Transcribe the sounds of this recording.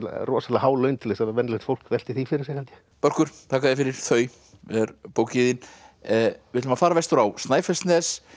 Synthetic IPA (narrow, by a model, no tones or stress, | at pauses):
rɔːsat̪laɦaːwlœɥnt̪ʰɪlðɛsavɛnlet̪fowl̥kvɛl̥t̪ɪθifɪɾɪɾsɛhɛljɪ | pœɾ̥kʏɾ̥t̪ʰaːkaðɪfɪɾɪɾ̥θœːɥ | ɛɾpoːwcɪðɪn | vɪɪt̪lʏmafaːɾavɛst̪ʏɾawst̪naːjfɛst̪nɛðɛs